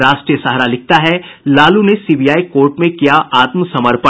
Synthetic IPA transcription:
ɾaːʃʈɾijəsɐɦɾalɪk̚t̪aɦɛlaːlunesiːbijaːikoːɾʈmẽkijaʔaːt̪məsɐməɾpə

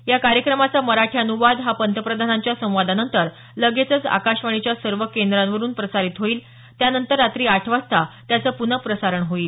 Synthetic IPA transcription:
jakaɾjəkɾəmat͡saməɾaʈʰiənuʋad̪ɦapənt̪ʰəpɾəd̪ʱanaɲt͡ɕjasə̃w̃ʋad̪ʱanənt̪əɾ | ləɡet͡sət͡sa̰kaɕʋaɳ̃it͡ɕjasəɾʋəkend̪ɾãnʋəɾuːnpɾəsaɾit̪ɦoiːl | t̪janənt̪əɾːat̪ɾiːaʈʰʋast̪at̪jat͡səːpunəpɾəsaɾəɳɦoiːl

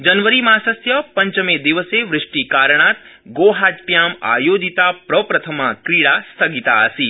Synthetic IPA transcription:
d͡ʒənʋəɾimãsəsjəpəɲt͡ʃəmed̪iʋəseʋɾɪʂʈikaɾɳ̃at̪ɡoɦaʈʈjama̰jod͡ʒit̪apɾəpɾət̪ʰəmãkɾiɭast̪ʰəɡit̪aəsi

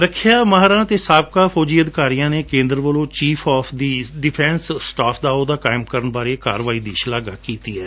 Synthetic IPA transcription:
ɾəkʰjaːmaːɦɾãːt̪eːsaːb̚kaːpʰɔːd͡ʒiːəd̪kaːɾijãːneːkẽːnd̪əɾəʋəlõːt͡ʃiːpʰɔːpʰd̪iːɖɪpʰɛ̃ːnsʈaːpʰd̪aːoːd̪aːkaːɪmkəɾənbaːɾeːkaːɾʋaːiːd̪iːʃlaːɡaːkiːt̪iːɛː

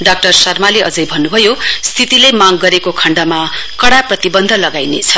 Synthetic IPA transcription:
ɖak̚ʈʌrsʌrmaleʌd͡zʌjbʱʌnːubʱʌjost̪ʰit̪ilemaɡɡʌɾekokʰʌɳɖamakʌɽaprʌt̪ibʌnd̪ʱʌlʌɡajnet͡sʰʌ

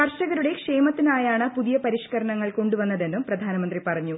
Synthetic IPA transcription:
kɐrʂɐɣɐɾuɽe̞kʂe̞ːmɐt̪ːinaːjaːɳɨpuðijɐpɐɾiʂkɐɾɐɳɐŋːɐɭko̞ɳɖuʋɐnːɐðe̞nːumprɐd̪ʱaːnɐmɐnd̪ripɐrɐɲːu

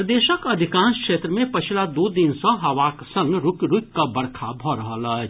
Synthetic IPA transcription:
ɾd̪eːʃəkɐd̪ʱɪkãːnskʃeːt̪ɾəmẽpɐt͡ʃʰilad̪oːd̪insə̃ɦɐʋaːksə̃ŋɡɾʊkɾʊkkabɐɽkʰabʱɔɾəɦələ

